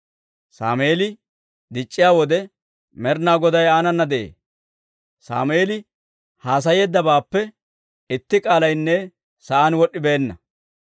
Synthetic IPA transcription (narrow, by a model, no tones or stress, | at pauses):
sa̰ːmeːlɪ | d̪ɪt͡ʃʼːɪjaːwɔd̪ɛ | mɛɾnaːɡɔd̪ɐjaːnɐnːɐd̪ɛʔḛː | sa̰ːmeːlɪ | haːs̬ɐjeːd̪ːɐbaːpːɛ | ɪt̪ːɪkʼaːlɐjnːɛ | sɐʔaːnwɔɗːɪbe̞ːnːɐ